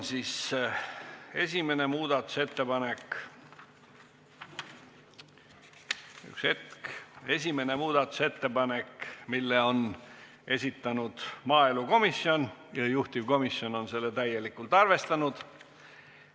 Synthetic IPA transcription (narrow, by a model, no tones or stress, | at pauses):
nsis | e̞sʲime̞ne̞muːd̪̥ɑt̪ːˑu̥se̞t̪ːe̞pɑne̞k | y̰kse̞t̪ke̞sʲime̞nemuːd̪̥ɑt̪ːˑu̥se̞t̪ːe̞pɑne̞kːmilːe̞on | e̞sʲit̪ːˑɑnud̪̥mɑːe̞luko̞misːjo̞njɑjuht̪ivko̞misːjo̞no̞nse̞lːet̪æje̞likːˑult̪ˑɑrve̞st̪ɑnud̪̥